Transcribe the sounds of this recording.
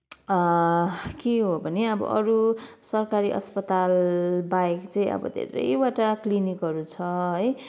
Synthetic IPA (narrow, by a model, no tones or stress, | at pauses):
keɦobʱʌneʌbʌ̰ʔʌɾu | sʌrkaɾiʔʌ̰spʌt̪albaekt͡saĩʌ̰bʌ̰d̪ʱḛɾʌ̰jwaʈaklinikɦʌɾut͡sʰʌɦʌj